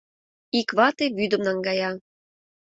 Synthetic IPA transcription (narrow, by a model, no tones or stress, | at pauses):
ikβɑt̪eβyd̪ə̆mnɑŋɡɑjɑ